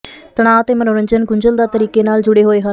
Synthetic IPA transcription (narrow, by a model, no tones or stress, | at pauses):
t̪əɽ̃aːʋət̪eːmənoːɾəɲd͡ʒənɡʊɲd͡ʒəld̪aːt̪əɾiːkeːnaːld͡ʒʊɽeːɦoːeːɦə